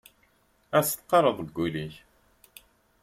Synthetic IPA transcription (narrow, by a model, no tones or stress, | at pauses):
æst̪ːqɑɾˤəðˤɡʷːuliç